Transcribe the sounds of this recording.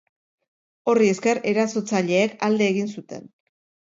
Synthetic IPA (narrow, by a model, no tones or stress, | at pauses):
o̞rie̞ske̞re̞ɾasot͡saʎe̞ːkald̪e̞ːɣinsut̪e̞̰n